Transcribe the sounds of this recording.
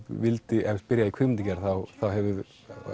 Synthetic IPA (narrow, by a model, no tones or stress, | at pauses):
vɪlt̪ɪʔɛvspɪɾjaðikʰvʏmɪnt̪ɪcɛɾ̥θawθawɦɛvɪð